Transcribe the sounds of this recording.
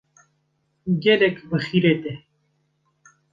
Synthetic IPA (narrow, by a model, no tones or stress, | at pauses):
ɡelekbəxiɾet̪e